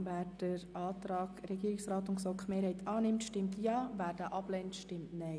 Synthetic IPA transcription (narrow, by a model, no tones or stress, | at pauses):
væːɾd̥əɾɑːt̪ɾɑːɡɾɛɡiːɪksrɑːt̪ʊnksokχmeːɾhɛɪt̪ʰɑːnɪmtʃtɪmtjɑːvæːɾd̥aʔɑb̥lɛntʃtɪmtnɛɪ